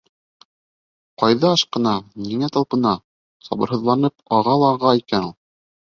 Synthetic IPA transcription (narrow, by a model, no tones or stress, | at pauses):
qɑjðɑɑʃqɤ̆nɑniŋæt̪ɑlˠpɤ̆nɑ | sɑ̰bɤ̆ɾɦɤ̆ðlˠɑnɤpɑʁɑlˠɑːʁɑikænulˠ